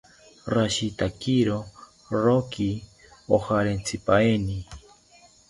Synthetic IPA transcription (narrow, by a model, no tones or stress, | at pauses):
ɾaʃit̪akiɾo | ɾoki | ohaɾent͡sʰipaeni